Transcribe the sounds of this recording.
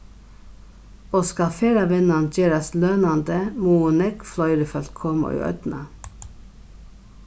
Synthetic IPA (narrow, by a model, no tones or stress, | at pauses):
oːskɑfeːɾɑʋɛnɑnd͡ʒeːɾɑsløːnɑnd̪əmuːʊnɛkflœʏd̪əfɛlt̪kʰɔmə̰ʔy̰ːʔœ̰t̪nɑ